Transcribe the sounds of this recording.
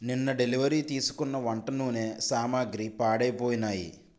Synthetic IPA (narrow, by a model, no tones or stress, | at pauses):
ninːɐɖe̞liʋɐɾiːt̪iːsu̥kunːɐʋɐɳʈɐnuːne̞ːsaːmaːɡɾipaːɽɐjpoːjinaːjḭ